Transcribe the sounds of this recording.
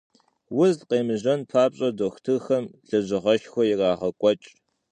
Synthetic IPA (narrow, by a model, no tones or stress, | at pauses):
wʊzqeːmɨʑɐnpʰaːpɕʼɐdoxtʰɨxɐmɮɐʑɨʁɐʃxʷɔjɪraːʁɐkʷʼɔt͡ʃʼ